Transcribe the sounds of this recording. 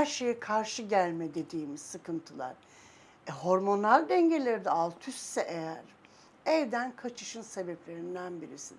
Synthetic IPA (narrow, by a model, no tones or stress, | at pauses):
hæɾʃe̞jɛkʰaɾʃɯɟælʲmɛd̪e̞d̪iːmizsɯkʰɯnt̪ʰɯlˠa̰ɾ̥ | ɛho̞ɾmo̞nalʲd̪ɛɲɟe̞lʲeɾid̪ɛalˠt̪ʰyst̪ːɛʔejæɾ | ɛvd̪ænkʰat͡ʃʰɯʃɯnse̞bɛplʲe̞ɾind̪ænbiɾisḭn